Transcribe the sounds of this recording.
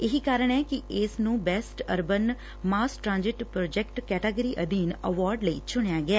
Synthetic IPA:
ɪɦiːkaːɾəɳ̃ɛːkɪɪsnũːbɛːsʈəɾbən | maːsʈɾãːnd͡ʒɪʈpɾoːd͡ʒɛkʈkɛːʈəɡəɾiːʔəd̪iːnəʋaːɾɖləḭt͡ʃʰʊɽ̃jaːɡɛː

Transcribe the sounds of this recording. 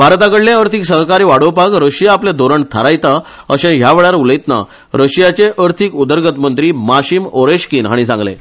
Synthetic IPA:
bʱaɾt̪akəɽlẽəɾt̪ʰiksəɦkaɾiːʋaɽopakɾəɕjaːplẽd̪ʱoɾəɳt̪ʰəɾajt̪a | əɕẽɦjaʋeɭaɾuləjt̪na̰ | ɾəɕjat͡ɕeʔəɾt̪ʰikud̪əɾɡət̪mənt̪ɾiːmaɕimoɾeɕkiːnɦaɽ̃isãŋɡlḛ̃

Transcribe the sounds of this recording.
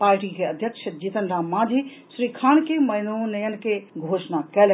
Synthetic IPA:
paːɾʈikʰeəd̪ʱjəkʃəd͡ʒit̪ənɖʱamãːd̪ʱi | sɾikʰaːnkemɐjnunəjənkeɡʱoːʃnakɛl

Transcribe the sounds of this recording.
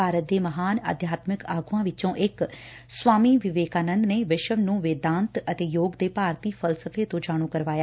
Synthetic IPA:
aːɾət̪̚d̪eːməɦaːnə̰d̪ʱjaːt̪mɪkaːɡuːãːʋɪt͡ʃõːʔɪk | swaːmiːʋɪʋeːkaːnə̃nd̪neːʋɪʃəʋnũːʋeːd̪ãːnt̪ət̪eːjoːɡd̪eːpaːɾt̪iːpʰəlsəpʰeːt̪õːd͡ʒaːɽ̃ũːkəɾʋaːjaː

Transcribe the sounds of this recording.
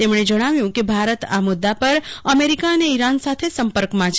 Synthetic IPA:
t̪emɳ̃ed͡ʒəɽ̃aʋjũkebʱaɾət̪a̰mʊd̪ːapəɾəmeɾikaəneiɾansat̪ʰesəmpəɾkmãt͡ʃʰ

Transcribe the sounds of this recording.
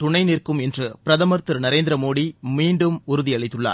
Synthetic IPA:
t̪ʊɳɐɪnɪrkɯmɛndrɯpɪɾɐðɐmɐɾt̪ɯɾnɐɾeːnd̪ɪɾɐmoːɽimiːɳɖɯmʊɾɯðiɐɭɪt̪ːɯɭːa̰ː

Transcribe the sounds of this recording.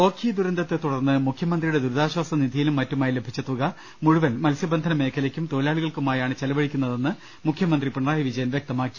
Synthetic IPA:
o̞ːkʰid̪uɾɐnd̪ɐt̪ːe̞t̪uɽɐrnːɨmukʰjɐmɐnd̪rijuɽe̞d̪uɾud̪aːɕwaːsɐniðijilumːɐtːumaːjilebʱit͡ɕːɐt̪ːuɣɐ | muɻuʋɐlmɐlsjɐbɐnd̪ʱɐnɐme̞ːkʰːɐlɐkʲːumt̪oːlaːɭiɣɐɭkumaːjaːɳɨt͡ɕɐlɐʋɐɻikʲːunːɐðe̞nːɨ | mukʰjɐmɐnd̪ripiɳɐraːjiʋid͡ʑɐjɐnʋjek̚t̪ɐmaːkːi̥

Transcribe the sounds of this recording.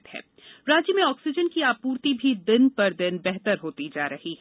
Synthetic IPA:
t̪ɦɛ̰ː | ɾaːd͡ʒjəmẽɔːksɪd͡ʒənkiaːpuːɾt̪ibʱid̪ɪnpɐɾd̪ɪnbɛɦt̪əɾɦoːt̪id͡ʒaːɾɐɦiɦɛ

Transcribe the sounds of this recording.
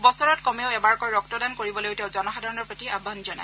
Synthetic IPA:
bɔsɔɹɔtkɔmeʊɛbaɹkɔjɹɔk̚tɔdankoɹibɔlojʊtɛʊzɔnɔxadʱaɹɔnɔɹpɹotiabʱːanzɔna̰

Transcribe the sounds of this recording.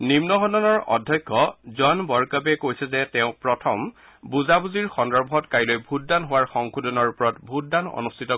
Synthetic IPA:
nimnɔɦɔnɔnɔɹɔ̰dʱjɔjkʰːɔzɔnbɔɹkabɛkojsɛzɛtɛʊ̃pɹɔtʰɔm | buzabuziɹxɔndɔɹbʱɔtkajlojbʱut̚danɦʊwaɹxɔŋkʰudɔnɔɹupɔɹɔtbʱut̚danɔ̰nustʰitɔ

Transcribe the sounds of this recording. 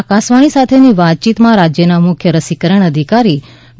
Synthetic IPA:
akasʋaɽ̃isat̪ʰeniʋat̪̚t͡ʃit̪mãɾad͡ʒjənamʊkʰjəɾəsikəɾəɳ̃əd̪ʱikaɾi

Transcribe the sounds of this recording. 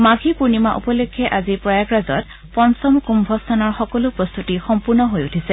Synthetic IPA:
maɡʱipuɹnimaʔṵpɔlekʰːɛʔazipɹɔjaɡɹazɔ̰t | pɔnsɔmkumbʱɔstʰanɔɹxɔkɔlʊpɹɔst̪utixɔmpuɹnɔɦojutʰisɛ

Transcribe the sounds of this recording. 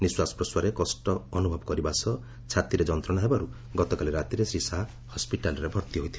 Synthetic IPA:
niswasɔ̥pɾɔswaɾekɔsʈɔːnubʱɔbɔkɔɾibasɔ | t͡ʃʰat̪iɾed͡ʒɔnt̪ɾɔɽ̃ɔɦebaɾu | ɡɔt̪ɔkaliɾat̪iɾesɾisaɦ | hɔspiʈalɔɾebʱɔɾt̪iɦojt̪ʰila

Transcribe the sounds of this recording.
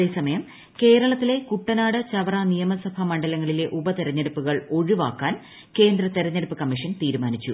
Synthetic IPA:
eːsɐmɐjɐm | ke̞ːɾɐɭɐt̪ːile̞kuʈːɐnaːɽɨt͡ɕɐʋɐrɐnijɐmɐsɐbʱɐmɐɳɖɐlɐŋːɐɭile̞ʔubɐt̪eɾɐɲːɐɽupːuɣɐɭo̞ɻiʋaːkːaːn | ke̞ːnd̪rɐt̪eɾɐɲːɐɽupːɨkɐmːiʂɐnt̪iːɾumaːnit͡ɕːu

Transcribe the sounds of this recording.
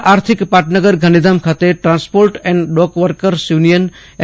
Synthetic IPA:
aːɾt̪ʰikpaːʈnəɡəɾɡʱanid̪amkʰat̪eʈɾãːnspoːɾʈɛ̃ɳɖɖɔːkʋəɾkəɾsjunijən | ɛ

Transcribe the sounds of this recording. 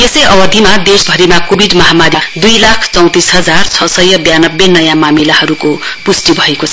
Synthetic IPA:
jesʌjʌbʌd̪ʱimad̪esbʱʌɾimakobʱiɖmʌɦamaɾid̪ujlakʰt͡sʌw̃t̪isɦʌd͡zart͡sʰʌsʌjʌbjanʌbːenʌjãmamilahʌɾukopusʈibʱʌekot͡sʰʌ

